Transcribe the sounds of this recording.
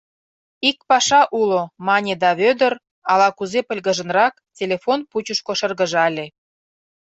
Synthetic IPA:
ikpɑʃɑʔulomɑnʲed̪ɑβød̪ər | ɑlɑkuzepə̆lʲɣə̆ʒə̆nrɑktʲelʲefonput͡ɕuʃkoʃə̆rɣə̆ʒɑlʲe

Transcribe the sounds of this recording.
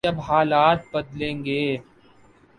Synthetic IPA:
ɐbɦaːlaːt̪̚bɐd̪lẽːŋɡeː

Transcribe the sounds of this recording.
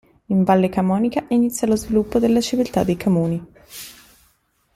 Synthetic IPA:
iɱvalːekamɔːnikainit̪sːjalozvilupːod̪elːat͡ʃivilt̪a̰d̪ːejkʰomuːni

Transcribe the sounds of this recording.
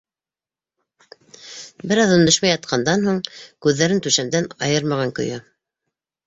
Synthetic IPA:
bɘɾɑðɵ̆nd̪ɘ̆ʃmæjɑt̪̚qʰɑnd̪ɑnhuɴkʉðːæɾɘnt̪ʉʃæmd̪ænɑjɤɾmɑʁɑŋkɵ̰̆jɘ

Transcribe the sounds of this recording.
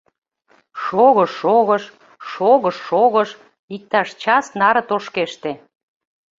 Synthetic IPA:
ʃoɣəʃːoɣəʃ | ʃoɣəʃːoɣəʃ | ik̚t̪ɑʃt͡ɕɑsnɑɾə̆t̪oʃkeʃt̪e

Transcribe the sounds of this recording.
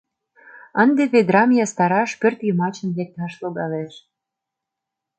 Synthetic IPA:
ənd̪eβed̪ɾɑmijɑst̪ɑɾɑʃpørt̪jəmɑt͡ɕə̆nlek̚t̪ɑʃloɡɑleʃ

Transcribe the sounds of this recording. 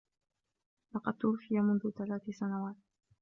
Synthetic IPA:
lɑqɑd̪̚t̪ʊɾfɪjamʊnðʊθalaːθɪsanawaːt̪̚

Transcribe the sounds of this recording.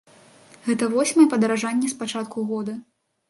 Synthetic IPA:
ɣɛt̪ɐvɔsʲmɐjɛpɐd̪ɐɾaʐanʲːɛspat͡ʂat̪̚kʰuɣɔd̪ɐ

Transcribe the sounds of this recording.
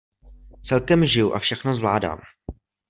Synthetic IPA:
t͡sɛlkɛmʒɪjuʔa̰fʃɛxnozvlaːda̰ːm

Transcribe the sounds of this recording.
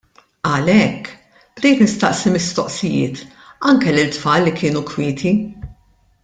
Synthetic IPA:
ɐlɛkː | bd̪iːt̪nɪst̪ɐʔsimɪst̪ɔʔsɪjɪ̰ːt̪ | ɐŋkɛlɪlt̪fɐːlːikʰɪːnukwɪːt̪ʰi

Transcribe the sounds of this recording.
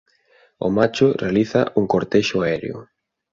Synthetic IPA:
ʊ̰mat͡ʃʊrealiθa̰uŋkoɾt̪eʃʊaɛɾḛʊ̰

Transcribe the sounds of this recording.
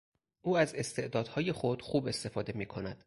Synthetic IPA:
ʔuːæze̞st̪e̞ʔd̪ɒːd̪hɒːje̞xo̞d̪̥xuːbe̞st̪e̞fɒːd̪e̞miːkʰo̞næd̪̥

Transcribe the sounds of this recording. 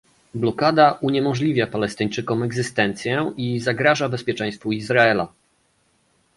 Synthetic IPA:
blɔkad̪aʔuɲɛmɔʐlʲivʲjapalɛst̪ɘɲt͡ʂɘkɔmɛɡzɘst̪ɛnt̪sʲjɛizaɡɾaʐabɛspʲjɛt͡ʂɛ̃j̃st̪fuizɾaɛla̰

